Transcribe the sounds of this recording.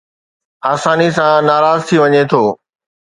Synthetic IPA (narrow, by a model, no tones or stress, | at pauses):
aːsaːnisãnaːɾaːzt̪ʰiʋɐɲet̪ʰoː